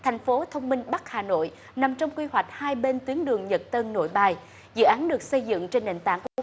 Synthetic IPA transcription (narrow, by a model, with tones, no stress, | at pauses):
t̪ʰɛ˨˩jŋ̟fo˨˦t̪ʰə˧wŋ͡mmï˧ŋɓa˦˥k̚haː˨˩no̰˧˨j | na˨˩mt͡ɕɔ˧wŋ͡mkwi˧hwa˨˩k̟̚haː˧jɓe˧nt̪wi˨˦ənɗɨ˨˩əŋɲə˨˩t̚t̪ə˧nno̰˧˥˨jɓaː˨˧˩j | zɨ̰˧˨ʔaː˨˦nɗɨ˨˩ək̚sə˧jzɨ̰˧˨ŋt͡ɕe˧nɗḛ˧˨ŋt̪a̰ː˧˨ŋku˧˩˧